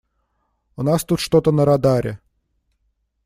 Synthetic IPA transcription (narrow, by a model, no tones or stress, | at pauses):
ʊnast̪ut̪ʂt̪ot̪ənəɾɐd̪aɾʲɪ̰